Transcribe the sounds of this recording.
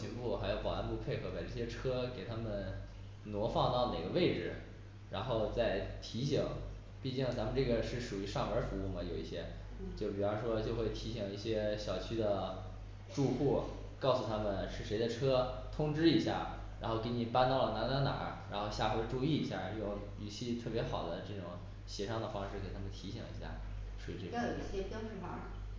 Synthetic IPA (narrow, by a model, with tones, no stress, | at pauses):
i˧˥ŋpu˥˩xa˧˥ɪjo˧˩ʊpɑ˨˩a˥˧npu˥˧pʰe˥˩ɪxʰɤ˧˥pa˨˩ɪʈ͡ʂɤ˥˩ɕjɛ˥ʈ͡ʂʰɤ˥ke˨˩ɪt̪ʰa˥mə˨n | nwɔ˧˥fɑ˥˧ŋt̪ɑ˥˩ʊne˨˩ɪɡə˦ʋe˥˩ɪʈ͡ʂɻ̩˨˩ | ɻa˧˥nxo˥˧ʊt͡sa˥˩ɪt̪ʰi˧˥ɕi˨˩˦ŋ | pi˥˧t͡ɕi˥˩ŋt͡sa˧˥mə˨˧nʈ͡ʂɤ˥˩ɡə˩ʂɻ̩˥˩ʂu˨˩y˧˥ʂɑ˥˩ŋə˞˧˥fu˧˥u˥˩mɐ˩jo˨˩ʊḭ˥˩ɕjɛ˥ | t͡ɕjo˥˩ʊpi˨˩ɑ˧˥ʂwɔ˥t͡ɕjo˥˧ʊxwe˥˩ɪt̪ʰi˧˥ɕi˨˩ŋi˥˩ɕjɛ˥ɕjɑ˨˩ʊt͡ɕʰy˥d̪ə˨ | ʈ͡ʂu˥˧xu˥˩ | kɑ˥˩ʊsu˨˩t̪ʰa˥mə˨nʂɻ̩˥˩ʂe˧˥ɪd̪ə˧ʈ͡ʂʰɤ˥t̪ʰʊ˥ŋʈ͡ʂɻ̩˥i˧˥ɕja̰˥˩ | ɻa̰˧˥nxo˥˩ʊke˧˥ɪni˨˩pa˥nt̪ɑ˥˩ʊlə˩na˧˥na˧˥na̰˨˩˦ɻa˧˥nxo˥˧ʊɕja˥˧xwe˥˧ɪʈ͡ʂu˥˧i˥˩i˧˥ɕja̰˥˩ʈ͡ʂɤ˥˩ʈ͡ʂʊ˨˩ŋ | ly˨˩ɕi˥˧t̪ʰɤ˥˩pjɛ˧˥xɑ˨˩ʊd̪ə˦ʈ͡ʂɤ˥˩ʈ͡ʂʊ˨˩˦ŋ | ɕjɛ˧˥ʂɑ˥˩ŋd̪ə˩fɑ˥ŋʂɻ̩˥˩ke˨˩ɪt̪ʰa˥mə˨nt̪ʰi˧˥ɕḭ˨˩ŋḭ˧˥ɕja̰˥˩ | swɔ̰˧˥˧ʈ͡ʂjo˨˩i˥˩ɕjɛ˥pjɑ˥ŋ̩˥˩ma̰˧˥